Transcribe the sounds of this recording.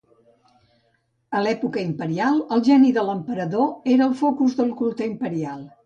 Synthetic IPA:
əlɛpukəimpəɾialˠəlˠʒɛniðələmpəɾəðoeɾəːlˠfokuzðəlˠkulˠt̪əimpəɾialˠ

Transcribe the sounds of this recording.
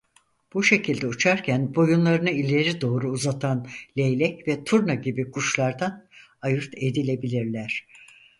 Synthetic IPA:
b̥uʃe̞cʰilʲd̪ɛut͡ʃʰaɾcʰænbo̞junlˠaɾɯnɯilʲe̞ɾid̪o̞ːɾuːzat̪ʰanlʲejlʲɛcvɛt̪ʰuɾnaɟibikʰuʃlˠaɾd̪an | ajɯɾt̪ʰe̞d̪ilʲe̞bilʲiɾlʲæɾ̥

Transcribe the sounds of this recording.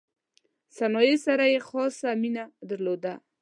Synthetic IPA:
sanɔjesaɾajexɔsaminad̪aɾlod̪a

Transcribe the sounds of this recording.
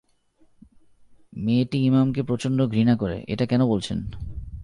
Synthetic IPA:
meʈiimamkepɾot͡ɕonɖoɡʱɾinakoɾḛʔḛʈakɛnobolt͡ɕʰḛn

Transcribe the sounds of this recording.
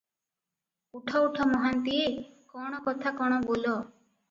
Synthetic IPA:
uʈʰɔuʈʰɔmɔɦant̪iekɔɽ̃ɔkɔt̪ʰakɔɽ̃ɔbolɔ

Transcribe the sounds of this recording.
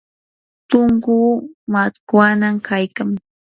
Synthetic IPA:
t̪ʊŋkuːmat̪kwanamkajkaŋ

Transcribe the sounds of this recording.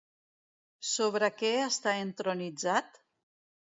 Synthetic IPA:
soβɾəkɛəst̪aent̪ɾonid͡zat̪

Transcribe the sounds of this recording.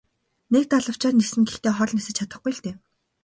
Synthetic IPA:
nek̚t̪aɮə̆w̥t͡ɕaːt̪nisɘ̆ŋɡext̪eːχɔɮʲnisɘ̆t͡ɕʰat̪ə̆χɡuj̆ɬt̪eː

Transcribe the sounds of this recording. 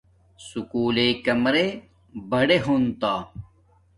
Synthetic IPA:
sukuːlekɐmɾe | bɐɽeɦunt̪aː

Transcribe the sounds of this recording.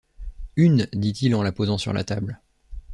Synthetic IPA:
ynd̪it̪ilɑ̃lapozɑ̃sy̰ʁlʔa̰t̪abl

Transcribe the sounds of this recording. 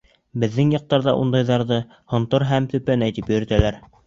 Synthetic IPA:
bɘ̆ðːɘŋjɑq̚t̪ɑɾðɑʔund̪ɑjðɑɾðɤ | hŏnt̪ɤɾɦæmt̪ɵ̆pænæjt̪ipjɵ̆ɾɘ̆t̪ælæɾ

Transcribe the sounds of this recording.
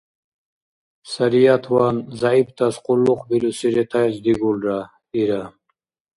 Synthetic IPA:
saɾijat̪ʰwanzaibt̪ʰasqʼulːuqʰbilusiɾɛt̪ʰajsd̪iɡulɾa | iɾa

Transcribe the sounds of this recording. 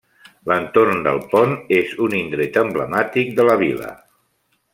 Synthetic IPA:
lənt̪ornd̪ə̰lˠpɔnezunind̪ɾet̪əmbləmat̪ik̚d̪ələβ̞ilə̰

